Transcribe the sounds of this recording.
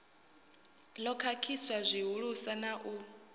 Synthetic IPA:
lɔkʰakʰiswazʷiɦuɺusanaʔu

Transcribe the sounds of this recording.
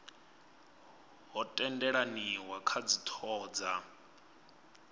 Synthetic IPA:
ɦɔtʼɛndɛɺaniwakʰad͡zitʰɔːd͡za

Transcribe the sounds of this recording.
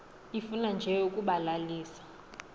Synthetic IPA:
ifunand͡ʒʱɛukʼuɓalaliːsḁ

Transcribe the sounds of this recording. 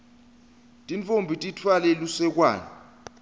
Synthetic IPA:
tʼint͡fʼombʱitʼitʰwalɛlusɛk̬wa̰ːni

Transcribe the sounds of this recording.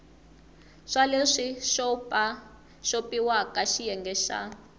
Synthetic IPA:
ʂaleʂiʃɔpʼa | ʃopʼiwakʼaʃijɛŋɡɛʃa̰

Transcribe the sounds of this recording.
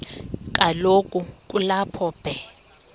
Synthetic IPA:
k̬ʼalokʼukʼulapʰɔb̥ʱɛ

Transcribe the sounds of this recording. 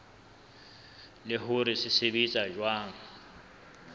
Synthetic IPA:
lɪɦʊɾɪsɪsɪbit͡sʼad͡ʒwaːŋ̩

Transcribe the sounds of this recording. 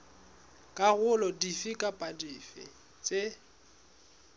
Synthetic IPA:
kʼaɣʊlɔdifɪkʼapʼadifɪ̰ | t͡sʼe

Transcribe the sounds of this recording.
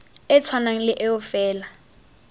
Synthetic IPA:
ɪt͡sʰwanaŋ̩lɪʔɪʊfɛːla

